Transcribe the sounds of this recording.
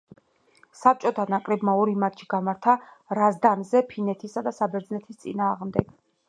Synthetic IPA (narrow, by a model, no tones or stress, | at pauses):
sap̚t͡ʃʼɔt̪ʰanakʼɾɛbmaɔɾimat̪t͡ʃʰi̥ɡ̥amaɾt̪ʰaɾazd̪anzɛpʰinɛt̪ʰisad̪asabɛɾd̪znɛt̪ʰist̪sʼḭnaːʁmd̪ɛɡ̥